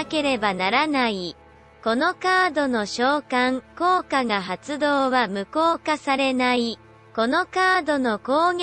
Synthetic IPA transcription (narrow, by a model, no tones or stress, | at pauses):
ke̞ɾe̞banaɾanai | ko̞no̞kaːd̪o̞no̞ɕo̞ːkãŋko̞ːkaɡaɦat͡sɨd̪o̞ːβamɯ̟ko̞ːkasaɾe̞nai | ko̞no̞kaːd̪o̞no̞ko̞ːɡ